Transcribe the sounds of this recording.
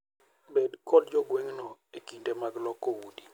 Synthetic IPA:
bɛdkɔdd͡ʒɔɡweŋnɔekindemaɡlɔkːɔwudi

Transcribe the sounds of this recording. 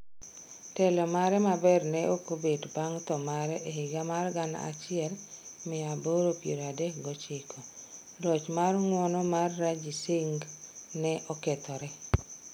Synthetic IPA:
tɛlɔmaɾɛmabɛrnɛʔokobedbaŋt̪ɔmaɾɛʔeɦɪɡamarɡanaa̰t͡ʃɪɛlmɪaboɾopjeɾadɛkɡɔt͡ʃɪkʰɔ | lɔt͡ʃmarŋwɔnɔmarːad͡ʒiseŋɡnɛʔɔkɛt̪ɔɾɛ

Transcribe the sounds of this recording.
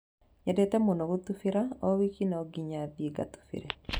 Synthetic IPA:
ɲɛdɛt̪ɛmonoɡut̪ufiɾaɔwikinɔɡiɲadiɡa̰t̪u̥fḭɾe

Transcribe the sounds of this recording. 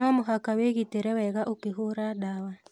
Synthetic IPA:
amʊɦakaweɣiteɾɛwɛɣaʔukiɦoɾaɗawa

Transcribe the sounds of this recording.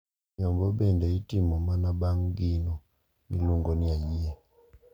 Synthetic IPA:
ɲɔmbɔbɛndɛitimɔmanabaŋɡinɔ | miluŋɡɔniajijɛ

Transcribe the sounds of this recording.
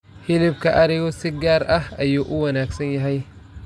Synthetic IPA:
hɪlɪb̚kʰɐʔɐɾɪɣɔsɪɡaːɾɐhɐjuːʔʊwɐnaːɡsɐnjɐɦɛj

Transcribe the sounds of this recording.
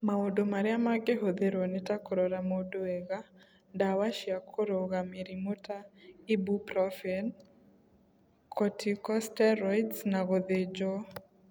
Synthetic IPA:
maodomaɾɪamaɡeɦoðeɾonɪtakoɾoɾamodoeɣa | dawaʃjakʰoɾoɣameɾimotaibupɾɔfɛn | kʰɔtʰikɔstɛɾɔjdsnaɣoðed͡ʒo

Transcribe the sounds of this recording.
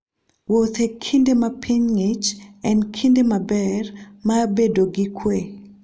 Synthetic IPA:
bot̪ekʰindemapʰiɲŋet͡ʃɛ̃ndkʰindemabɛrmabedoɡɪkʰwe

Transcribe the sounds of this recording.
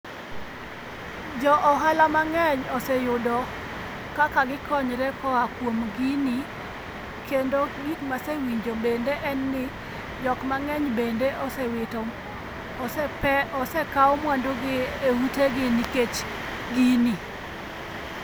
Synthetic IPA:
d͡ʒɔʔɔɦalamaŋɛɲɔsɛjʊdɔ | kakaɡɪkɔɲɾɛkɔakwomɡini | kendoɡikmasewiɲd͡ʒobendeʔɛnːɪ | d͡ʒɔkmaŋɛɲbendeʔɔsɛwɪtɔ | ɔsɛkaɔmwandoɡɪeuteɡɪniket͡ʃ | ɡini

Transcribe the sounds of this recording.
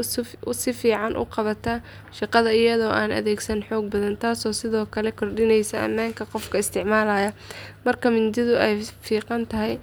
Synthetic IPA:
sɪfiːʕɑnʔʊ̰qɑβɐt̪ʰɐ | ʃɑqɑðɐɪjɐðɔːʔaːnʔɐ̰ðɛːɡsɐnħɔːɡ̚bɐðɐnt̪ʰaːsɔːsɪðɔːkʰɐlɛkʰɔrɖɪnɛjsɐʔɐ̰mːaːŋkʰɐqɔfkʰɐɪst̪ʰɪʕmaːlaːjɐmɐrkʰɐmɪnd̪ɪðʊɛjfiːqɑnt̪ʰɐɦɛj

